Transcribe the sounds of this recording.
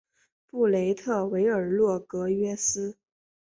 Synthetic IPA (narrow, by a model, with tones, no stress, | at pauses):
pu˥˩le˧˥ɪt̪ʰɤ˥˩we˧˥ɪə˞˨˩lwɔ˥˩kɤ˧˥ɥɛ˥sɹ̩˥